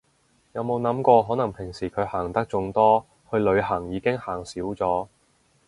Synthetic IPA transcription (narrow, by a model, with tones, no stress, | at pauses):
jɐ˨˧wmo˨˧wnɐ˨˥mkʷɔː˧ɦɔː˨˥nɐ˨˩ŋpʰɪ˨˩ŋsiː˨˩kʰɵ˨˧ɥhaː˨˩ŋt̪ɐ˥k̚t͡sʊ˧ŋt̪ɔː˥ | hɵ˧ɥlɵ˨˧ɥɦɐ˨˩ŋjiː˨˧kɪ˥ŋhaː˨˩ŋsiː˨˥wt͡sɔː˨˥